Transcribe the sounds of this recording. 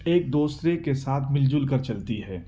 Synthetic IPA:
eːk̚d̪oːsɾekesaːt̪ʰmɪld͡ʒʊlkəɾt͡ʃɐlt̪iɦɛː

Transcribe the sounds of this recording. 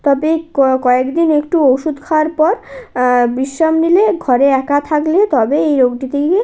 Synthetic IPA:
t̪ɔbekɔekd̪inekʈuowʃud̪kʰawaɾpɔɾ | biʃːamnileɡʱɔɾeɛkat̪ʰaklet̪ɔbeejɾoɡɖit̪ʰee

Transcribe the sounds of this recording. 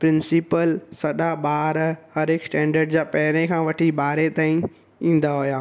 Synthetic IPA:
pɾɪ̃nsɪpəlsɐɗaɓaːɾhɐɾɪksʈɛ̃ːɳɖəɾɖd͡ʑaːpɐɦɪɾẽkʰãːʋɐʈʰiɓaːɾet̪aːĩ | ĩːn̆d̪aɦʊjaː

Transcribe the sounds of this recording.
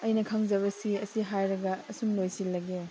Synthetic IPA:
ɐjnɐkʰaŋzɐβɐsiɐsiɦajɾɐɡɐːsumlojsilːɐɡe

